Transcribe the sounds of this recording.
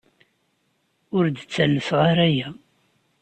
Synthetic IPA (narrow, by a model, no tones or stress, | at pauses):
ʊɾd̪t͡sːælːəfʁaɾæjæ